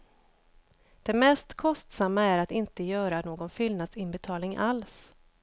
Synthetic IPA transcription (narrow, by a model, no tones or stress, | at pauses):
d̪̥ɛmɛst̪kʰɔst̪samːaæɾat̪ɪnt̪əjœːɾanoːɡɔnfʏlnad̪sɪnbɛt̪ʰɑːlnɪŋʔals